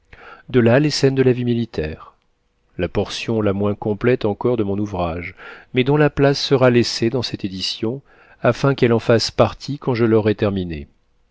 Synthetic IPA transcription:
d̪əlalesɛnd̪əlavimilit̪ʰɛ̰ːʁ | lapɔʁsjɔ̃lamwɛ̃kɔ̃plɛt̪ɑ̃kɔʁd̪əmɔ̃nuvʁaʒmɛd̪ɔ̃laplasːəʁalesed̪ɑ̃sɛt̪ed̪isjɔ̃ | afɛ̃kɛlɑ̃faspaʁt̪ʰikɑ̃ʒəlɔʁɛt̪ɛʁminḛ

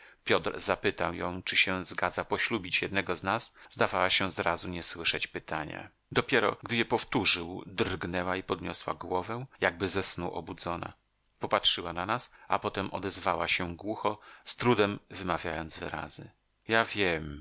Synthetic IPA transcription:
pʲjɔt̪ɾzapɘt̪awjɔ̃w̃t͡ʂɘɕɛzɡad̪zapɔɕlubʲit͡ɕjɛd̪nɛɡɔznasz̥d̪avawaɕɛzɾazuɲɛswɘʂɛt͡ɕpɘt̪aɲa̰ | d̪ɔpʲjɛɾɔ̰ɡd̪ɘjɛpɔft̪uʐɘwd̪rɡnɛwaipɔd̪ɲɔswa̰ɡwɔvɛ̃jaɡ̚bɘzɛsnuʔɔ̰bud̪zɔna̰ | pɔpatʂɘwananasʔapɔt̪ɛmʔɔ̰d̪ɛzvawaɕɛɡwuxɔst̪ɾud̪ɛmvɘmavʲjajɔnd̪zvɘ̰ɾa̰zɘ̰ | javʲjɛm

